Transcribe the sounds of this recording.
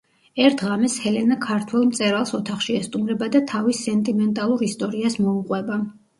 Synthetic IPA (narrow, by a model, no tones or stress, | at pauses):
ɛɾt̪ʰʁamɛshɛlɛnakʰaɾt̪ʰwɛlˠmt̪sʼɛɾalˠsɔt̪ʰaχʃiɛst̪ʼumɾɛbad̪at̪ʰavisɛnt̪ʼimɛnt̪ʼalˠuɾist̪ʼɔɾiasmɔuqʼwɛba